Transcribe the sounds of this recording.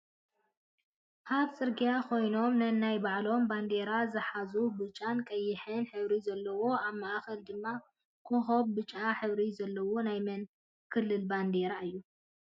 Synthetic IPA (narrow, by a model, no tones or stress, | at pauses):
kʰaβt͡sʼɨɾɡijakʰo̞jno̞mnɐnajbaʕlo̞mband̪e̞ɾazɨħazubɨt͡ʃʼankʼɐjːɪħɨnħɨβɾizɐlːɐwo̞aβmaʔxɐld̪ɨmːa | kʰoxoβbɨt͡ʃʼːaħɨβɾizɐlːɐwonajmɐn | kʰɨlːɨlband̪eɾaɨjːu